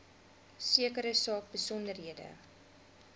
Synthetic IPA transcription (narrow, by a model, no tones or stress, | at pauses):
siəkəɾəsɑːk̚bəsɔndərɦiədə̰